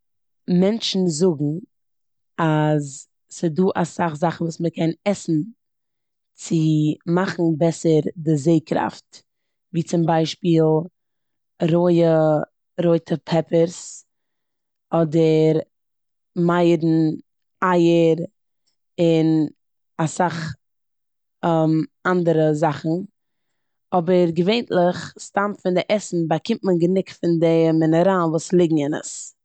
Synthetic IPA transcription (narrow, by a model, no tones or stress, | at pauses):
mɛnt͡ʃn̩zʊɡŋ̩ | az | sɪduːʔasaχzaχn̩vuːsməkʰɛnɛsn̩ | t͡sɪmaχn̩bɛsəɾdɪzeɪkɾa̰ft | viːt͡sɪmbaɪʃpiːlˠ | ɾoɪə | ɾoɪtʰəpʰɛpəɾs | ɔdəɾ | maɪdn̩ | aɪəɾ | ɪn | asaχ | mandəɾəzaχn̩ | ɔbəɾɡəveɪntlˠɪχstamfɪndɪʔɛsn̩bakɪmtmənɡənɪkfɪndɪmɪnəɾanvuːslˠɪɡŋ̩ɪnə̰s